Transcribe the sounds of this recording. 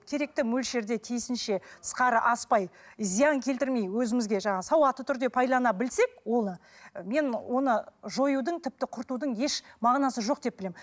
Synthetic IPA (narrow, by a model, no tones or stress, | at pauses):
kʲʰe̞ɾe̞k̚t̪ɪmɵlʃe̞ɾd̪e̞t̪ʰijsɪnʃe̞ə̥sqɑɾəʔɑspɑjzijɑŋkʲʰe̞lt̪ɪɾme̞jwɵzɪmɪzɡʲe̞ʒɑɴɑsɑwɑt̪ːət̪ʰʏɾd̪e̞pʰɑjlˠɑnɑbɪlse̞k̚wo̞lˠə | me̞nwʔo̞nəʒo̞jud̪əɴt̪ʰɪp̚t̪ɪqʰʊɾt̪ud̪əɴje̞ʃmɑʁnɑsəʒo̞q̚d̪e̞p̚bɪlem